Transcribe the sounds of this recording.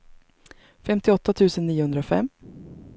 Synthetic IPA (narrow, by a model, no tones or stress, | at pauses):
fɛmt̪ɪɔt̪ːat̪ʰʉ̟ːsənːiːʊhɵnd̪ɾafɛ̰mː